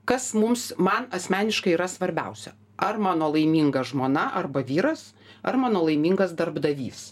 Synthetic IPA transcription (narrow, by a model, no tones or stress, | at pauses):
kɐsmʊmsmɐnɐsʲmʲæːnʲɪʃkɐɪiːɾɐsʋɐɾʲbʲɛ̰ʊsʲɛ̰ | ʔɐrmɑːnoːlˠɐɪmʲiŋɡɐʒmoːnɐʔɐrbɐʋʲiːɾɐs | ɐrmɑːnoːlˠɐɪmʲiːŋɡɐsd̪ɐrbd̪ɐʋʲḭːs